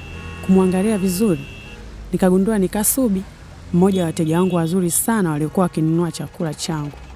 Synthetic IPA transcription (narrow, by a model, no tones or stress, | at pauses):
kumwaŋɡaliavizuɾi | nikaɡunduanikasuɓi | m̩mɔʄawatɛʄawaŋɡuwazuɾisanawaliɔkuwawakinunuat͡ʃakulat͡ʃaŋɡu